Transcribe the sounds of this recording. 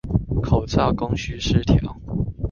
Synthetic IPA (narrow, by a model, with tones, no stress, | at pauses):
kʰo˨˩ʊt͡sʰɑ˥˩ʊkʊ˥ŋɕy˧˥ʂɻ̩˥˧t̪ʰjɑ˨˦ʊ